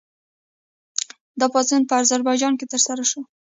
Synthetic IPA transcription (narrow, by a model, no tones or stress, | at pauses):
d̪ɑpɑst͡senpəazaɾbɑjd͡ʒɑnket̪əɾsaɾaʃo